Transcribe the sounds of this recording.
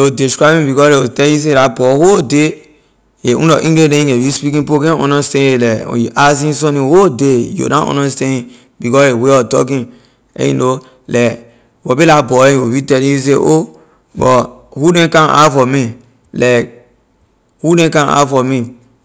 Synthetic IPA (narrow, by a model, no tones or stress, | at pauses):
odiskɾabĩbikɔɾeotɛjis̬eɾabɔhode | eṵ̃ɔʔĩɡedẽĩewispikĩpokɛ̃ɔ̰̃nastɛ̃nelɛ̰juʔasĩnsɔ̃nĩhodejo̰ɾãɔ̰̃nastɛ̃ni | bikɔeweɔtɔ̰k̬ĩn | ḛjḭno | lɛ | wɔbelabɔẽowitɛlĩjus̬eʔo | bɔhudɛ̃kãa̰fɔmi | lɛk̚ | hudɛ̃kãna̰fɔmi